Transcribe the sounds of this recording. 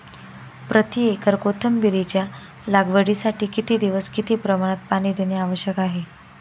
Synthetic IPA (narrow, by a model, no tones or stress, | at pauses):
pɾət̪iekəɾkot̪ʰəmbilit͡ɕja | laɡʋəɽisaʈʰiːkit̪iːd̪iʋəskit̪iːpɾəmaɽ̃at̪̚paɽ̃iːd̪enjaʋəɕjəkaɦe